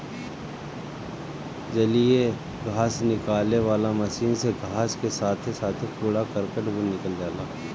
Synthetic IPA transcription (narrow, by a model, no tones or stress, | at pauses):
d͡ʒɐlije | ɡʱaːsnɪkaːleʋaːlamɐsiːnseɡʱaːskesaːt̪ʰisaːt̪ʰpuːɽakɐɾkəʈbʊnnɪkəld͡ʒaːlaː